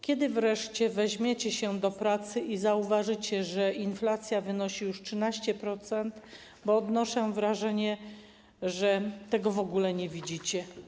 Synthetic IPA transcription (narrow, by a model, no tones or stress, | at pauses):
kʲɛd̪ɘvɾɛʂt͡ɕɛvɛʑmʲjet͡ɕɛɕɛd̪ɔpɾat̪sɘʔizauvaʐɘt͡ɕɛʐɛinflat̪sʲjavɘnɔɕijuʂtʂɘnaɕt͡ɕɛpɾɔt̪sɛnt̪ | bɔːd̪nɔʂɛvɾaʐɛɲɛ | ʐɛt̪ɛɡɔvɔɡulɛɲɛvʲid͡ʑit͡ɕɛ